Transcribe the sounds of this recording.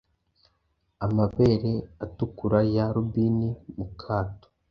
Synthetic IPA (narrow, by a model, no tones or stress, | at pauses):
amaβe̞ːɾeatukuɾajaɾubinimukʰaːto̥